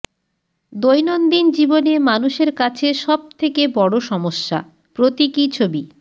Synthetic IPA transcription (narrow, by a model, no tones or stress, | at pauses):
d̪ojnond̪ind͡ʑibonemanuʃeɾkat͡ɕʰeʃɔb̚t̪ʰekebɔɽoʃɔmoʃːa̰ | pɾot̪ikit͡ɕʰobi